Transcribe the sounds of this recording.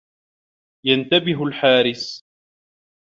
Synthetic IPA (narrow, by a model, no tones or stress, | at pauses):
jant̪abɪɦʊlħaːɾɪs